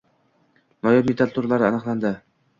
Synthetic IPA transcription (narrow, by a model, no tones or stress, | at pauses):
nɒjɒmʲɪt̪ʰat̪ʰuɾlaɾɪanɨqlˠand̪ɪ